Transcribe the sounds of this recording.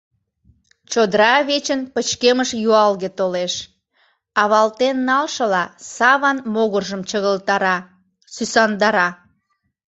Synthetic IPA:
t͡ɕod̪ɾɑβet͡ɕənpət͡ɕkeməʃjuɑlɣet̪oleʃ | ɑβɑlt̪enːɑlʃəlɑsɑβɑnmoɣərʒəmt͡ɕəɣəlt̪ɑ | sysɑnd̪ɑɾɑ

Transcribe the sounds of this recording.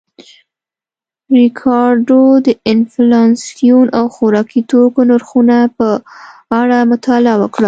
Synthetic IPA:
ɾɪkʰɑɾɖod̪əɪnflɑnsijunawxoɾɑkit̪okonʊɾxunapəaɽamʊt̪ɑlawəkɽa

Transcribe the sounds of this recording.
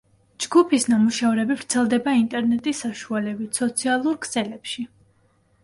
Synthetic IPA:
d͡ʒɡupʰisnamuʃavɾɛbivɾt̪sʰɛlˠd̪ɛbaint̪ʼɛɾnɛt̪ʼisːaʃualɛbit̪sɔt̪sʰialˠuɾkʰsɛlɛpʃi

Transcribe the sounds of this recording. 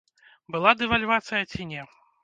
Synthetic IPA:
bɨlˠad̪ɛvalʲvat̪sɨjɐt͡sʲinʲɛ

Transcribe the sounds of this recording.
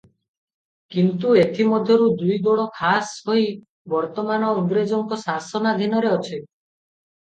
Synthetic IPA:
kint̪uet̪ʰimɔd̪ʱjɔɾud̪ujɡoɽɔkʰasɦoi | bɔɾt̪ɔmanɔuɡɾed͡ʒɔŋkɔsasɔnad̪ʱinɔɾeɔt͡ʃʰi

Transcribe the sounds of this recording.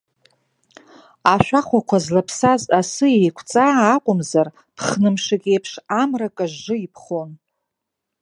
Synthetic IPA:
aʃᶣaχʷakʷʰazlapʰsazasɨejkʷʰt͡sʼaːqʷʼʊmzar | pʰχnɨmʂakʲʼejpʰʂamrakʼaʒːɨipʰχon

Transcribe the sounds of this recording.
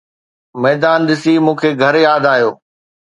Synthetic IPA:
mɛːd̪aːnɗ̪ɪsimũːkʰeːɡʱɐɾjaːd̪aːɦijoː

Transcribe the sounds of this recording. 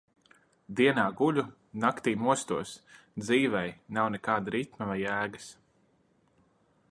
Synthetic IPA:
d̪iɛnaːɡuʎʲu | nakt̪iːmuɔst̪uɔs | d̪ziːvɛjnawnɛkaːd̪aɾit̪mavajæːɡas

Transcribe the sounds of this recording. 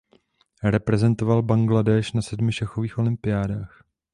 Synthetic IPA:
ɾɛpɾɛzɛnt̪o̞valbaŋɡladɛːʃnasɛdmɪʃaxo̞viːxʔo̞lɪmpɪjaːdaːx

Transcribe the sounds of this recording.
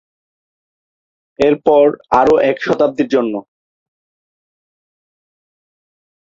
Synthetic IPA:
eɾpɔɾaɾoʔɛkʃɔt̪ab̚d̪iɾd͡ʑonːo

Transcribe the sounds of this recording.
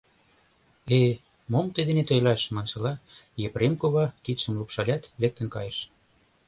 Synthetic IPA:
e | momt̪ed̪enet̪ojlɑʃmɑnʃɤ̆lɑjepremkoβɑkit̪ʃə̆mlupʃɑlʲɑt̪lek̚t̪ə̆nkɑjə̆ʃ

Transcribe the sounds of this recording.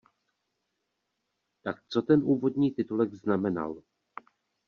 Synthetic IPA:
t̪ak̚t͡so̞t̪ɛnʔuːvo̞d̪ɲiːt̪ɪt̪ulɛɡznamɛna̰l

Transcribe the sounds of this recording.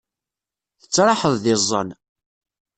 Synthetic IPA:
θət͡sːɾˤɑħəðˤðɪzˤːə̰n

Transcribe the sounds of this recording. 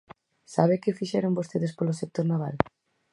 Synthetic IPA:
saβ̞ekefiʃɛɾombost̪eðespolosek̚t̪oɾnaβ̞a̰l

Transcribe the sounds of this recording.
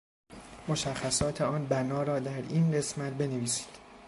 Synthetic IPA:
mo̞ʃæxːæsɒːt̪ʰe̞ɒːnbænɒːɾɒːd̪æɾiːnɢe̞smæt̪̚be̞neviːsi̥ːd̪̥

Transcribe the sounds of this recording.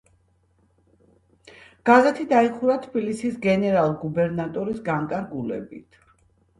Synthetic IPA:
ɡ̥azɛt̪ʰid̪aiχuɾat̪ʰbilisisɡɛnɛɾalˠɡubɛɾnat̪ʼɔɾisɡaŋkʼaɾɡulɛ̰bḭt̪ʰ

